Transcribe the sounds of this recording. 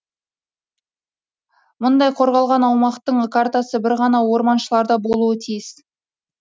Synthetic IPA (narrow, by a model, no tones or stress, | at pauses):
mʊnd̪ɑjqʰo̞ɾʁɑlˠʁɑnɑwmɑqt̪əɴkʰart̪asəbɪɾʁɑnɑwo̞ɾmɑnʃəlˠɑɾd̪ɑbo̞lˠuət̪ʰijɪs